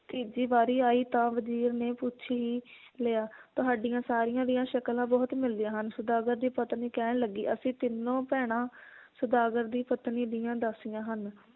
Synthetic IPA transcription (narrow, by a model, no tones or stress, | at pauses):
t̪iːd͡ʒiːbaːɾiːaːiːt̪ãːʋəziːɾneːput͡ʃʰiːɦiː | leːaːt̪ʊɦaːɖɪjãːsaːɾijãːd̪ɪjãːʃəklãːbɔːt̪mɪld̪ɪjãːɦənsəd̪aːɡəɾd̪iːpət̪niːkɛːɳləɡːḭːʔəsĩːt̪ɪnːõːpɛːɽ̃ãːsəd̪aːɡəɾd̪iːpət̪niːd̪ɪjãːd̪asɪjãːɦən